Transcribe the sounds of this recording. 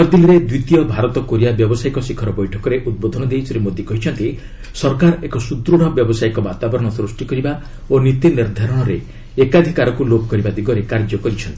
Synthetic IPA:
ɔɾd̪iliɾed̪wit̪ijɔbʱaɾɔt̪ɔkoɾijabjɔbɔsaikɔsikʰɔɾɔbɔjʈʰɔkɔɾeʔud̪̚bod̪ʱɔnɔd̪ejsɔɾemod̪ʱjɔkɔɦit͡ʃʰɔnt̪i | sɔɾkaɾekɔsut̪ɾuɽ̤ɔbjɔbɔsajkɔbat̪abɔɾɔɽ̃ɔsɾusʈikɔɾiba | onit̪iniɾd̪ʱaɾɔɽ̃ɔɾe | ekad̪ʱikaɾɔkulopɔkɔɾibad̪iɡɔɾekaɾd͡ʒɔkɔɾit͡ʃʰɔnt̪i

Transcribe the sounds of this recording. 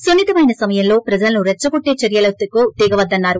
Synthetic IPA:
sonːit̪ɐmɐjnɐsɐmɐjɐmlo̞ːpɾɐd͡ʒɐlɐnuɾɛt͡ʃːɐɡoʈːe̞ːt͡ʃɐɾjɐlɐt̪ːukud̪iːɡɐʋɐd̪ːɐnːaːɾu

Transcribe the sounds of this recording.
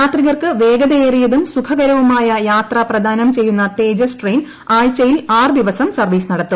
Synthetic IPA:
jaːt̪riɣɐrkɨʋe̞ːɡɐðɐeːrijɐðumsukʰɐɣɐɾɐʋumaːjɐjaːt̪rɐprɐd̪ʱaːnɐmt͡ɕe̞jːunːɐt̪e̞ːd͡ʑɐsʈrejn | aːɻt͡ɕɐjilaːrd̪iʋɐsɐmsɐrʋiːsnɐɽɐt̪ːum

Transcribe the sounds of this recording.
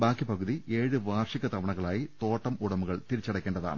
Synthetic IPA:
baːkːipɐɣuðie̞ːɻɨʋaːrʂiɣɐt̪ɐʋɐɳɐɣɐɭaːjit̪o̞ːʈːɐmʔuɽɐmuɣɐɭt̪iɾit͡ɕːɐɽɐkːeːɳɖɐða̰ːɳɨ

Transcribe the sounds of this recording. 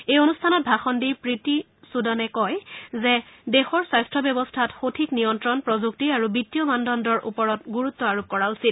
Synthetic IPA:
ejonustʰanɔt̚bʱaxɔndiɹpɹiti | sudɔnɛkɔjzɛdexɔɹsajstʰɹɔbjɔbɔstʰatxotʰiknijɔntɹɔnpɹɔzuk̚tiaɹubitːijɔmandɔndɔɹʔṵpɔɹɔtɡuɹut̪ːɔaɹub̚kɔɹausit̚

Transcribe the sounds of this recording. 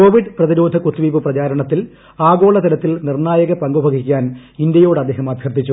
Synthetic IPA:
ko̞ːʋiɖprɐðiɾoːd̪ʱɐkut̪ːiʋiːpɨprɐt͡ɕaːɾɐɳɐt̪ːil | aːɡo̞ːɭɐt̪ɐlɐt̪ːilnirɳaːjɐɣɐpɐŋɡubʱɐɡʱikʲːaːnind̪jɐjo̞ːɽɐd̪ʱːe̞ːɦɐmaːd̪ʱjɐrd̪it͡ɕːu

